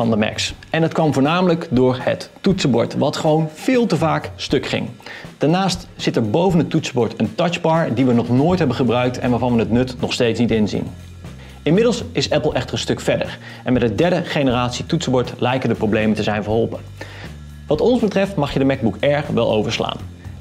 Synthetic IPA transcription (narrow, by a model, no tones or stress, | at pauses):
ɑndəmɛ̰ksɛndɑtkʋɑmvʊːɹnaːmələkdʊːɹhə̰tːutsəbɔɹtʋɑtχəʋownv̥ɪːlˠtəvaːkstɵkχɪ̰ŋd̥aɹnaːstz̥ɪtɛɹbowvənətːutsəbɔɹtəntɑt͡ʃbɑɹdiʋənɔχnoːjtɦɛbənχəbrœɥk̚tɛ̰nʋaːɹvɑnʋənətnɵtnɔχstejtsnitɪnzḭn | ɪnmɪdəlˠsɪsɛpl̩ˠʔɛχtərənstɵkfɛɹdə̰ɹ | ʔɛnmɛtdədɛɹdəχejnəraːtsitutsəbɔɹtlɛjkəndəprowblejməntəzɛjnvəɹɦɔlˠpən | ʋɑtɔnzbətrɛftmɑχjədəmɛɡ̚bukɛɹχʋɛlˠʔo̰wvəɹsla̰ːn